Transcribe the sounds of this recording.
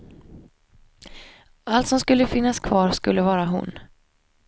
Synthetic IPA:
alt̪sɔmskɵlːəfɪnːaskʰvɑːɾskɵlːəvɑːɾaɦʊ̰n

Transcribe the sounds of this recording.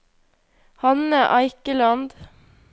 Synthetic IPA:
hɑnəʔɑɪkəlɑnd̪

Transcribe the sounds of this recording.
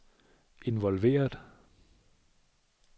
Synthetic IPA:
ʔe̝nʋɒlʋe̝̰ːɐd

